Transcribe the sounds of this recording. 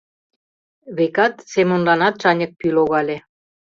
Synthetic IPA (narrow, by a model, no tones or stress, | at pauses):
βekɑt̪semə̆nlɑnɑt̪̚ʃɑnʲə̆k̚pyloɣɑlʲe